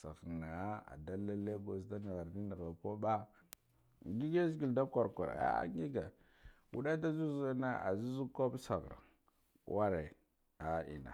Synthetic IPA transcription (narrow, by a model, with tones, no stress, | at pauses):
sa˨xna˨a˦a̰˨da˦la˦le˦ɡo˨sta˦ni˨ɣa˨ɾni˦na˨a˨ko˦ba˦˨ | ɡi˦ɡe˦zɡi˨lda˦kʷa˨ɾkʷa̰˨ɾ̰a̰˦a̰˦ŋi˦ɡa˨ | wu˦da˦da˦zu˦za˦na˦a̰˨zu˦zu˦ko˦bsa˨ɣɾa̰˨˦ | wa˦ɾe˨ | a˨ḭ˨na̰˨